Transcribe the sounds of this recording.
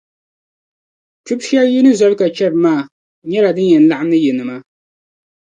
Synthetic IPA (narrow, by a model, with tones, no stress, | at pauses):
t͡ʃu˦bʃi˦a˦ji˦nɨ˦za˦lka˨t͡ʃɛ˦ɾmaː˦˨ | ɲɛ˦ɾa˨dɨ˦njɛ˨n˨la˦˨a˦mnɨ˦jɪ˨nɨ˨ma˦